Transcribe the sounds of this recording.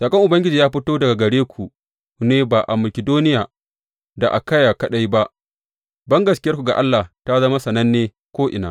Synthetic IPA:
saː˨kʼɐ˦ŋʔʊ˨bɐ˦ŋɡʲɪ˦d͡ʒiː˨jaː˦ɸɪ˦toː˦dɐ˨ɡa˨ɡɐ˨ɽeː˦kʷʰu˨ | neː˦baː˨ʔa̰˨mɐ˨kʲɪ˨doː˦nɪ˦jaː˨ | da˨ʔa̰˨kɐ˦jaː˨kɐ˦ɗa˦jba˦ʔ | bɐ˦ŋɡɐ˨skʲɪ˦jɐ˦rkʷu˨ɡa˨ʔa˦lːa˨ta˦zɐ˦ma˦sɐ˨nɐ˦nːeː˦ | kʷoː˦ʔɪ̰˨na̰ː˦

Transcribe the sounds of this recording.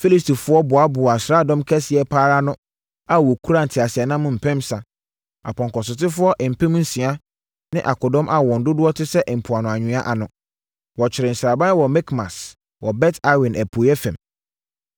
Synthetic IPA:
fi˦li˦sti˨fʊ˦ɔ˦bʊ˨a˦bʊ˨a˨sɾaː˦˨dɔ̃˦mkʰɛ˦sɪ˨ɛ˨˦pʰaː˦ɾa˦nʊ̃˦ | a˦wɔ˨kʰu˦ɾa˦n̩˨tʰɪ˨a˨sɪ˨ɛ˨nã˦mʊ̃˦m̩˨pʰɛ̃˦msa˨ | a̰˨pʰɔ̃˨ŋkɔ˨sʊ˨tɪ˦fʊ˦ɔ˦ʔm̩˨pʰɛ̃˦m̃˦n̩˦sĩ˨a˦ | nɪ̃˦ʔa̰˨kʰɔ˨dɔ̃˦mʔa˨wɔ̃˨n̩˨˦dʊ˦dʊ˦ɔ˦tʰɪ˦sɛ˦ʔm̩˨pʰʊ˨a˨nʊ̃˨a˨ɲᶣɪ̃˨˦a˦ʔa˨nʊ̃˨ | wɔ˨t͡ɕʰɪ˨ɾɪ˨n̩˨sɾa˨bã˦n˦wɔ˨mɛ˦kmã̰˨s | wʔɔ˨bɛ˦tʰa˦wɪ̃˨nʔæ˨pʰo˨jɛ˦fɛ̰̃˨m

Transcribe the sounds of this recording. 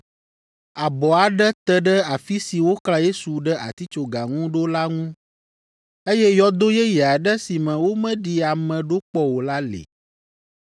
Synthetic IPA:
a˨bɔ˨a˨ɖə˦t̪ə˦ɖə˦a˨fi˦si˨wo˦kla˦je˦su˨ɖə˦ʔa̰˨t̪i˦t͡ʃo˨ɡa˨ŋũ˦ɖo˦la˦ŋũ˦ | e˦jɛ˦jɔ˦d̪o˦jɛ˦jɛ˨a˨ɖə˦si˨mɛ̃˨wo˦mɛ̃˦ɖi˨a˨mɛ̃˨ɖo˦k͡pɔ˦wo˨la˦lḛ˨

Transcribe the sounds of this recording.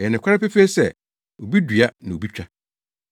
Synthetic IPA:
ɛ˨nɪ̃˨kʷʰa˦ɾa˦pɛ˦feː˦sɛ˦˨ | o˨bi˦dɥa˦nã˨o˨bi˦t͡ɕᶣa˦

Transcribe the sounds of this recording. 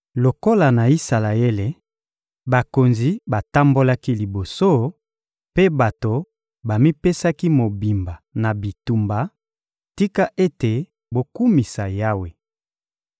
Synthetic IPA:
lo˨ko˦la˨na˨i˦sa˨la˨e˦le˨ | ba˨ko˨nzi˨ba˨ta˦mbo˦la˦ki˦li˨bo˨so˦ | pe˦ba˨to˨ | ba˨mi˦pe˦sa˦ki˦mo˨bi˨mba˨na˨bi˨tu˨mba˨ | ti˦ka˦ʔe˦te˨ | bo˨ku˦mi˨sa˨ja˦we˨

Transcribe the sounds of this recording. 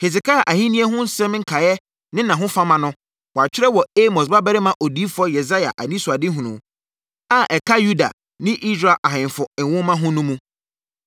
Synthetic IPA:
he˨s̬ɪ˨ka˦˨ʔa˨hĩ˦nĩ˦ɛ˦ɦʊ̃˦n̩˦sɛ̃˦mŋ̩˦kʰa˨jɛ˦ | nɪ̃˦nã˨ɦʊ̃˦fa˦mã˨nʊ̃˦ | wɔ˨a˨t͡ɕᶣɪ˦ɾɛ˦wɔ˨e˦mɔ˨s̬ba˦bɛ˦ɾɪ˦mã˦ʔo˨di˦fʊ˦ɔ˦jɛ˨za˦ja̰˨ʔa˨nĩ˦su˨a˨dɪ˦ɦũ˨nʊ̰̃˨ | a˨ʔɛ˨kʰa˦ju˦da̰˨ | nɪ̃˦ʔi˦sɾa˨ʔa˨ɦɪ̃˨n˨fʊ˨wʊ̃˦mã˦ɦʊ̃˦nʊ̃˦mũ˦

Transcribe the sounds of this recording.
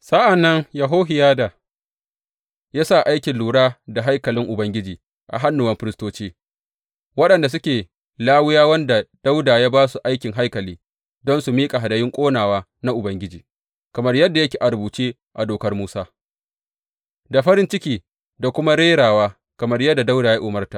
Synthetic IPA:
sa˦ʔa˨nːɐ˦ŋja˨ɦoː˦ɦɪ˨jaː˦da˨ | jaː˦sa˦˨ʔa˦jkʲɪ˨nluː˨ɽaː˦da˨ɦa˦jkɐ˨lɪ˦ŋʔʊ˨bɐ˦ŋɡʲɪ˦d͡ʒiː˨ | ʔa̰˨ɦa˦nːʊ˨wɐ˦mɸɪ˦ɾɪ˦stoː˦t͡ʃiː˦ | wɐ˦ɗɐ˨nda˨s̬ʊ˦kʲeː˨ | laː˦wʊ˦jaː˦wɐ˦nda˨d̥a˦wdaː˨jaː˦baː˦su˨ʔa˦jkʲɪ˨ŋɦa˦jkɐ˨liː˦ | dɔ˦nsu˨miː˦kʼa˨ɦa˨dɐ˨jɪ˦ŋkʷʼoː˦naː˨waː˦ | na˦ʔʊ˨bɐ˦ŋɡʲɪ˦d͡ʒiː˨ | kɐ˨mɐ˦rjɐ˦dːa˨jɐ˦kʲiː˨ʔa˨ɾbuː˨t͡ʃeː˦ | ʔa˨doː˨kɐ˦rmuː˦saː˦ | da˨ɸɐ˦ɾɪ˦nt͡ʃɪ˦kʲiː˨ | da˨kʷʊ˦ma˦ɽeː˦ɽaː˨waː˦ | kɐ˨mɐ˦rjɐ˦dːa˨da˦wdaː˨ja˦ʔʊ˨mɐ˦rta˨

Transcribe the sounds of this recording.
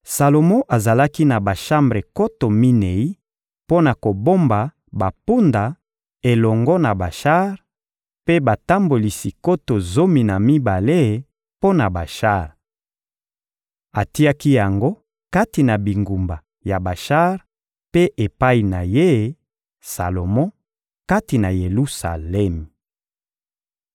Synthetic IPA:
sa˨lo˨mɔ̃˦ʔa˨za˨la˦ki˦na˨ba˨ʃa˦mbʁe˨ko˦to˨mi˦ne˨i˦ | po˦na˨ko˨bo˦mba˨ | ba˨pu˦nda˨ | e˨lɔ˨ŋɡɔ˦na˨ba˨ʃa˦ʁ | pe˦ba˨ta˦mbo˨li˨si˨ko˦to˨zo˦mi˨na˨mi˦ba˨le˦ | po˦na˨ba˨ʃa˦ʁ | a˨ti˦a˦ki˦ja˨ŋɡo˦ | ka˦ti˨na˨bi˨ŋɡu˨mba˨ | ja˨ba˨ʃa˦ʁ | pe˦ʔe˨pa˦i˨na˨je˦ | sa̰˨lo˨mɔ̃˦ | ka˦ti˨na˨je˨lu˦sa̰˨lɛ˦m˨

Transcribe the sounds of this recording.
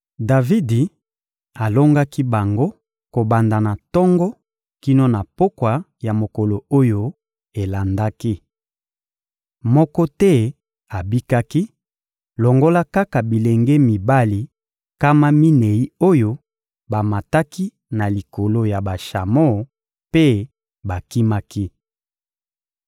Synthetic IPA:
da˨vi˦di˨ | a˨lo˦ŋɡa˦ki˦ba˨ŋɡo˦ | ko˨ba˨nda˨na˨tɔ˦ŋɡɔ˦ | ki˦no˦na˨po˦kwa˨ | ja˨mo˨ko˨lo˨o˦jo˦ | e˨la˨nda˦ki˦ | mɔ˦kɔ˦tɛ˦ | a˨bi˦ka˦ki˦ | lɔ˨ŋɡo˦la˦ka˦ka˨bi˨le˨ŋɡe˦mi˨ba˦li˨ | ka˦ma˦mi˦ne˨i˦o˦jo˦ | ba˨ma˨ta˦ki˦ | na˨li˨ko˨lo˦ja˨ba˨ʃa˨mo˦˨ | pe˦ | ba˨ki˦ma˦ki˦

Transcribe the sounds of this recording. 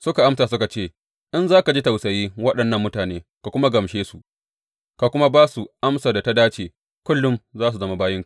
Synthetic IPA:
sʊ˦ka˨ʔa˦msaː˨sʊ˦ka˨t͡ʃeː˦˨ | ʔɪ˦nzaː˦ka˨d͡ʒi˦ta˨wsɐ˨jiː˦wɐ˦ɗɐ˨nːɐ˦mːʊ˦taː˨neː˦ka˨kʷʊ˦ma˦ɡɐ˨mʃeː˦su˨ʔ | ka˨kʷʊ˦ma˦baː˦su˨ʔa˦msaː˨da˨ta˦daː˦t͡ʃeː˨ | kʷʊ˦lːʊ˦mzaː˦s̬u˨zɐ˦ma˦baː˦jɪ˦ŋka˨

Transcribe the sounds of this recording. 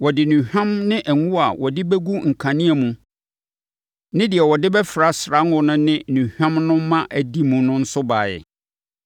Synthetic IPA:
wɔ˨dɪ˨nũ˨hᶣã˦mnɪ̃˦ʔɛ˨ŋũ˦a˨wʔɔ˨dɪ˦bɛ˦ɡu˦ŋ̩˨kʰã˨nĩ˦æ˨mũ˨ | nɪ̃˦dɪ˨ɛ˨wɔ˨dɪ˦bɛ˦fɾa˦sɾa˦ŋʊ̃˦nʊ̃˦nɪ̃˦nũ˨hᶣã˦mnʊ̃˦mã˦ʔæ˨di˦mũ˨nʊ̃˦n̩˦sʊ˦baː˨ɛ̰˨

